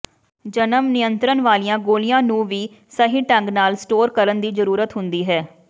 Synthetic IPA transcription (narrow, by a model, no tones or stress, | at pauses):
d͡ʒənəmnɪjənt̪ɾənʋaːlijãːɡoːlɪjãːnũːʋiː | səɦiːʈə̃ŋɡnaːlsʈoːɾkəɾənd̪iːzəɾuːɾət̪ɦʊnd̪iːɦɛː